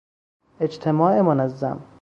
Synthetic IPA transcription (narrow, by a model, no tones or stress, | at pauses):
e̞d͡ʒt̪ʰemɒːʔemonæzːæ̰m